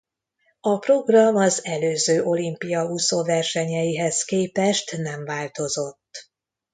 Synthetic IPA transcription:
ɒpro̞ɡrɒmɒzɛløːzøːʔo̞limpijɒusovɛrʃɛɲɛjiɦɛskeːpɛʃt̪nɛɱvaːlt̪o̞zo̞t̪ː

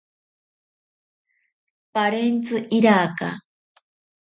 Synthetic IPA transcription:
paɾent͡sɨʔiɾaka̰

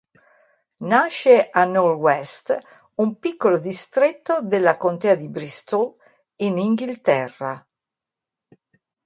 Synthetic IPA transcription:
naʃːeʔanːɔɾwɛst̪ | umpikːolod̪ist̪ɾet̪ːod̪elːakont̪ɛːad̪ibɾist̪ɔl | iniŋɡilt̪ɛrːa̰

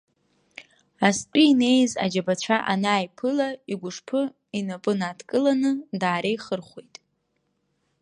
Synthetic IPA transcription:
aspʼiːne̞jza̰d͡ʒabat͡ɕʷʰaʔanaːjpʰɨlaiɡʷʊʂpʰɨ | inapʼɨnaːdkʼɨlanɨdaːɾejχərχʷojtʼ

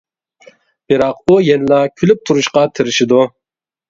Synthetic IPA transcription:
b̥ɪɾɑqujɛnlɑkʲʰylyp̚t̪ʰuɾuʃqɑt̪ʰɪɾɪʃɪd̪u

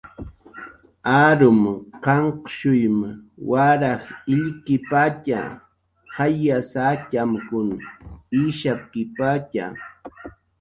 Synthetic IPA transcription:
aɾʊmqɑɴqʃʊjmwaɾaχɪʎkɪpat͡ʃa̰ | hajːasacamkʊniʃap̚kɪpat͡ʃa̰

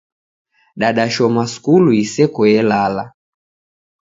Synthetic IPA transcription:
ɗaɗaʃɔmaskuluisɛkɔɛlala

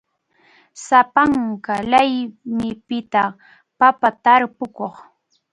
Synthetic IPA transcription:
sapaŋkalajmɪpɪt̪a | papat̪aɾpʊkoχ

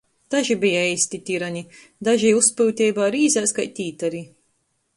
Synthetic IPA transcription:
d̪̥aʒibijaɛjsʲt̪it̪ʲiɾanʲi | d̪aʒijuspuːt̪ʲɛːjbaːɾiːzʲæːskajt̪ʲiːt̪aɾi

